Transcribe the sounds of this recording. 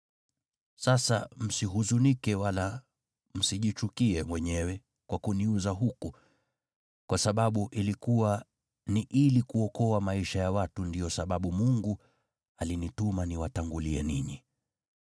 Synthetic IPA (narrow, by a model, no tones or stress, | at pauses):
sasa̰m̩siɦuzunikɛwala | m̩siʄit͡ʃukiɛmwɛɲɛwɛ | kwakuniuzaɦuku | kwasaɓaɓuʔilikuwa | niʔilikuɔkɔamaiʃajawatundijɔsaɓaɓumuŋɡu | alinitumaniwataŋɡuliɛniɲi